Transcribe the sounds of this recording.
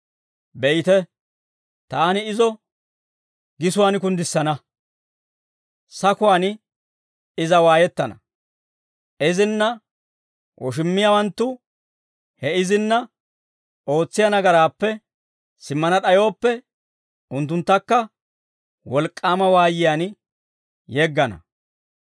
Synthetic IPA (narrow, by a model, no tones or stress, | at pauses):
bɛjɪt̪ɛ | t̪aːnɪɪzɔ | ɡɪsʊwaːnɪkʊnd̪ɪsːɐnɐ | sɐkʊwaːn | ɪzɐwaːjɛt̪ːɐnɐ̰ | ɪzɪnːɐ | wʔɔ̰ʃ̬ɪmːɪjawɐnt̪ːʊ | hɛɪzɪnːɐ | o̞ːt͡sːɪjɐnɐɡɐɾaːpːɛ | sɪmːɐnɐɗɐjo̞ːpːɛ | ʊnt̪ːʊnt̪ːɐkːɐ | wɔlkʼːaːmɐwaːjɪjaːn | jɛɡːɐnɐ̰